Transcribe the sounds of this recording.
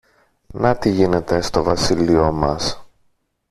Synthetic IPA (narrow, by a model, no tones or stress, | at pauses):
nɐt̪iʝine̞t̪e̞st̪o̞vɐsilio̞mɐs